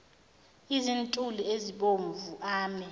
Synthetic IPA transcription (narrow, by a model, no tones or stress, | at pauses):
izintʼulieziɓoɱvuʔaːmɛ